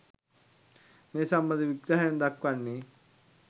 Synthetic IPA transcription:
meːsambəd̪iʋiɡɾaɦajənd̪akʋanːi

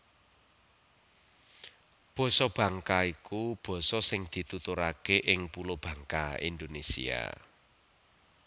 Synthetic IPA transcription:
b̥ɔ̤sɔb̥ä̤ŋkaikub̥ɔ̤sɔsɪŋd̪̥i̤t̪ut̪uɾakeʔɪŋpulob̥ä̤ŋkaḭnd̪onesḭa̰

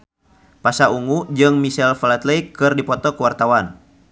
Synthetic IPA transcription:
pasauŋud͡ʒɨŋmisɛlfalat̪ləikɨrdipɔt̪ɔkəwart̪awan

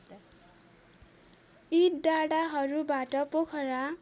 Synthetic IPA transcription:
iʈɖaɽaɦʌɾubaʈʌpokʰʌɾa

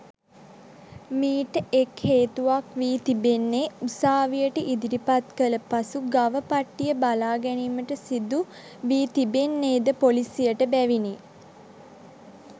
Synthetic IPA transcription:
miːʈəʔekheːt̪uʋakʋiːt̪ibenːeusaːʋijəʈəʔid̪iɾipat̪kələpasuɡaʋəpaʈːijəbalaːɡɛniːməʈəsid̪u | ʋiːt̪ibenːeːd̪əpolisijəʈəbæʋine

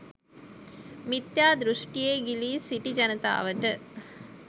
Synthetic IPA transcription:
mit̪jaːd̪ɾuʂʈijeːɡiliːsiʈid͡ʒɐnət̪a̰ːʋəʈə

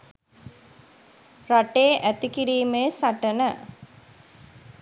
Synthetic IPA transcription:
raʈeːʔæt̪ikiɾiːmejsaʈənə

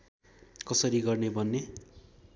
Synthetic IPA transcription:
kʌsʌɾiɡʌrnebʱʌnːe

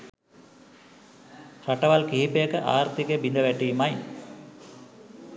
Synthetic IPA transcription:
rɐʈːɐʋalkiɦipːeːkɐʔaːɾt̪ikːebind̪ɐʋeʈːijimaj

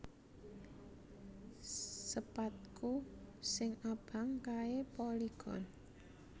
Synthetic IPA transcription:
səpat̪̚kusɪŋab̥a̤ŋkaepɔliɡ̥ɔn

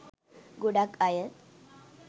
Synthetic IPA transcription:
ɡuɽakajət̪

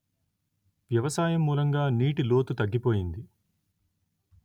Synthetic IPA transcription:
ʋjɐʋɐsaːjɐmːuːlɐŋɡaːniːʈilo̞ːt̪ut̪ɐɡːipo̞ːjind̪i

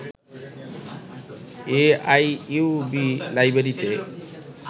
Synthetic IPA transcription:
eajubilajbeɾit̪e

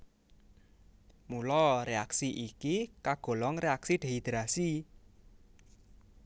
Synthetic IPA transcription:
mulɔrea̰ksiʔikikaɡ̥ɔ̤lɔŋreaksiɖ̪̥e̤ɦid̪̥ɾasi

